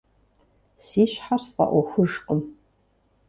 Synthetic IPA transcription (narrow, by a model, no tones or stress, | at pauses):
siːɕħarsqɐ̰ʔʷɔxʷʊʒqəm